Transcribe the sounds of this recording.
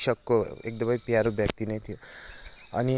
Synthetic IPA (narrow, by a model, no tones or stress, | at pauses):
ʃəkːoḛk̚d̪əmaipiaɾobjəkt̪inəĩt̪ʰiju | a̰ni